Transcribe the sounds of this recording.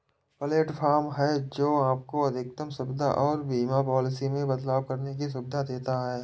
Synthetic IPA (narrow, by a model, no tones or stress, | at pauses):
pəleːʈfʰaːɾmɦɛd͡ʒoːaːp̚koɐd̪ʱɪk̚t̪əmsʊbd̪ʱa̰ʔɔːɾbiːmapɔːlɪsimẽbɐd̪laːwkɐɾnek̬is̬ʊbd̪ʱad̪eːt̪aɦɛː